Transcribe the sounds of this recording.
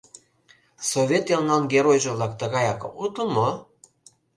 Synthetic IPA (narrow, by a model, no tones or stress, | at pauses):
sovʲet̪jɑlnɑnɡeɾojʒə̆βlɑk̚t̪ə̆ɣɑjɑko̰ut̪əlmo